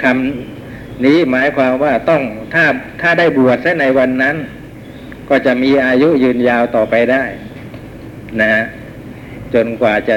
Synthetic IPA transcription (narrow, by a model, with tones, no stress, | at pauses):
kʰa˧m | niː˦˥maː˩˦˥jkʰwaː˧mwaː˥˩t̪ɔ˥˩ŋt̪ʰaː˥˩t̪ʰaː˥˩daː˥˩jbu˨˩ət̪̚sa˦˥na˧jwa˧nːa˦˥n | kɔː˥˩t͡ɕa˨˩ʔmiː˧ʔaː˧ju˦˥jɯː˧njaː˧wt̪ɔː˨˩pa˧jdaː˥˩j | na˦˥ha˦˥ʔ | t͡ɕo˧nkwaː˨˩t͡ɕa˨˩